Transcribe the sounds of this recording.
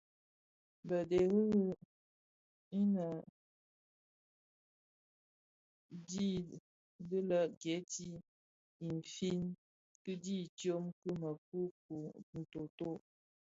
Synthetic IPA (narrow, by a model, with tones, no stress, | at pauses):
bə˨de˨ɣɨ˦ɣ | i˦nə˨ | di˦ | də˦lə˦ɡjɛ˨˦ti˦ | i˨n̩˨fi˦n | kɨ˦di˦˨tjo˦mkɨ˦mə˨ku˦ku˨n̩˨to˨to˦